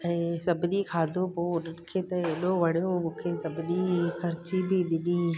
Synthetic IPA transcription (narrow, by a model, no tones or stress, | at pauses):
ɛ̃ːsɐbɪɗikʰaːd̪ʱopoɗɪkʰet̪ɐeːɗoʋɐɽjomũːkʰesɐbɪɗikʰɐɾɪt͡ɕibʱɪɗɪɗĩː